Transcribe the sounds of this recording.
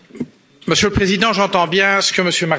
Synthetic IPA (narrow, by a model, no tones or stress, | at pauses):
məsjøləpχezid̪ɑ̃ʒɑ̃t̪ɑ̃bjɛ̃sə̥kəməsjømaʁ